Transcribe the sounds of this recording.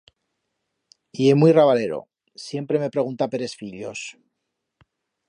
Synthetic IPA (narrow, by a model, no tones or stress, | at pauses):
ie̞mujraβale̞ɾo̞̰ | sje̞mpɾe̞me̞pɾe̞ɣ̞unt̪ape̞ɾe̞sfiʎo̞̰s